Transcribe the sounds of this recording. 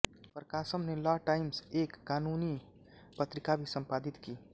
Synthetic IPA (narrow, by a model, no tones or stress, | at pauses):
pɾəkasəmnelɔʈaɪmsekːaːnuni | pət̪ɾikabʱisəmpad̪it̪ki